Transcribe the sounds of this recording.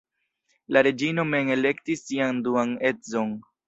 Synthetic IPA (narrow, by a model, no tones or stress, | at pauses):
laɾe̞d͡ʒino̞me̞ŋe̞le̞ktisːianduane̞tzo̞n